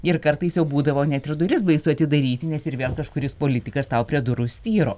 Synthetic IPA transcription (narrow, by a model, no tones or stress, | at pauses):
ɪɾkɐɾt̪ɐɪsjɛʊbuːd̪ɐʋoːnʲæt̪ɪrd̪ʊɾʲɪsbɐɪsʊɐt̪ʲɪd̪ɐɾʲiːt̪ʲɪnʲɛsɪɾʋʲeːlˠkɐʃkʊɾʲɪspoːlʲɪt̪ʲɪkɐst̪ɐʊpʲɾʲiɛd̪ʊɾʊsʲt̪ʲiːɾoː